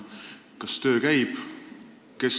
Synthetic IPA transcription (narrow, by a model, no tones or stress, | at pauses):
kɑst̪ø̞ːkæjb̥ | ke̞s